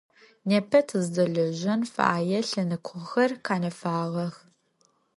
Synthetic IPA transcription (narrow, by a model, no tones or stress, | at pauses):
neːpʰɐtʰɨzdɐɮɐʑɐnfa̰ːjɛɬɐnɨkʷʰʊxɐrqʰaːnɐfaːʁɐx